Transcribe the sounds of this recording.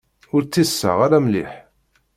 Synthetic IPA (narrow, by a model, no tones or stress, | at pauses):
ʊɾt͡sːisːa̰ʁaɾæmlḭħ